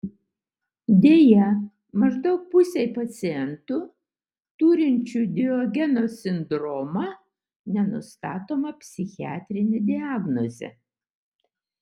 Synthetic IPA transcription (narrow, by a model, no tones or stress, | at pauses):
d̪ʲeːjɛ | mɐʒd̪ɒʊk̚pʊsʲɛɪpɐt̪sʲɪɛnt̪ʊ | t̪uːɾʲɪnʲt͡ʃʲud̪ʲɪɔɡʲɛnosʲɪnd̪ɾɔːmɐ | nʲɛnʊ̰st̪ɑːt̪oːmɐpʲsʲɪxʲɪæ̰ːt̪ʲɾʲɪnʲed̪ʲɪɑːɡnozʲɛ̰